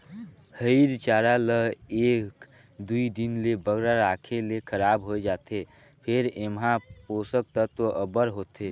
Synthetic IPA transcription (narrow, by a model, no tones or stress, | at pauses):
həɪɾt͡ʃaːɾaləɦeːk | d̪uid̪inlebəɡɾaɾakʰelekʰəɾaːbɦoed͡ʒaːt̪e | pʰeɾemɦãposək̚t̪ət̪oʔəbəɾɦot̪e